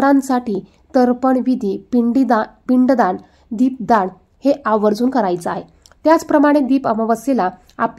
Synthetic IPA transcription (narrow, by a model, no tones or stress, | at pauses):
ɾãnsaʈiː | t̪əɾpəɳʋid̪ʱiːpiɖipiɳɖd̪aɳ | d̪iːp̚d̪aɳ | heʔaʋəɾd͡zuːnkəɾajt͡səaɦe | t̪jat͡spɾəmaɽ̃ed̪iːpəʋəʋəsela | ap